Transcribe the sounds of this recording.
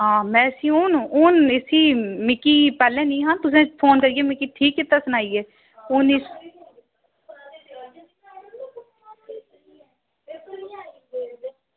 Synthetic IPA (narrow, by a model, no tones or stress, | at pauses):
ɦãːmɛ̃ːəsĩːʊnʊnɪsiːmɪkiːpɛːlẽːnĩːɦãːnt̪ʊs̬ẽːpʰoːnkəɾiːeːmɪkiːʈʰiːkːɪt̪ːaːsʊnaːiːɛː | ʊniːs